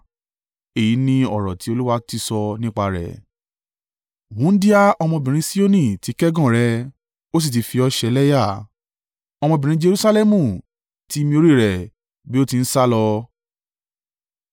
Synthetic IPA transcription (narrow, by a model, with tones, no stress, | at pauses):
e˨ji˨˦nĩ˧ɔ˦˨ɾɔ̰˨ti˨˦o˧lu˦wa˧˦ti˦sɔ˧nĩ˦k͡pa˧ɾɛ̰˨ | wũ˨˦n̩˦di˦a˦ɔ˧mɔ̃˧bĩ˨ɾ̃ĩ˧˦si˦o˦nĩ˦˨ti˨˦kɛ˦ɡɔ̃˦˨ɾɛ˧ | o˦s̬i˦˨t̬i˧˦fi˧ɔ˧ʃɛ˧˦lɛ˦ja˦˨ | ɔ˧mɔ̃˧bĩ˨ɾ̃ĩ˧˦d͡ʒe˧ɾu˦sa˦lɛ˦mũ˨ | ti˨˦˧mĩ˧o˧ɾi˦˨ɾɛ˨ | bi˦o˦ti˧n̩˦sa˦lɔ˧